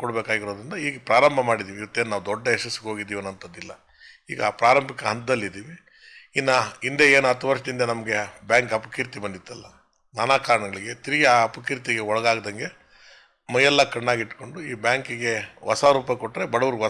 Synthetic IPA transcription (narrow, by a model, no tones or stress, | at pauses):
kɔɽbeːkaːɡiɾoːd̪ɾind̪ɐiːɡɐpɾaːɾɐmbʱɐmaːɽid̪iːʋiʋɐt̪ːeːnnaːʋd̪ɔɖːɐeʂɐsːiɡo̞ːɡid̪ːiːʋeɐnɐnt̪ɐd̪ːilːɐ | ḭːɡɐaːpɾaːɾɐmbʱikɐɦɐnt̪̚d̪ɐlːid̪iːʋi | inːɐind̪eeːnuɐt̪ːuʋɐɾʂɐd̪ind̪ɐnɐmɐɡe̞bjaːŋkɐpɐ̥kiːɾt̪ibɐnd̪it̪ːɐlːɐ | naːnaːkaːɾɐɳɐɡɐɭiɡe̞t̪iɾiɡeaːɐpɐkiːɾt̪iɡeɔɭɐɡaːɡd̪ɐŋɡe̞ | mɐjɐlːɐkɐɽnaːɡiʈko̞ɳɖuiːbaːŋkiɡe̞ʋɐsaɾuːpɐkoʈːɾe̞bɐɽɐʋɐɾuɡʋɐ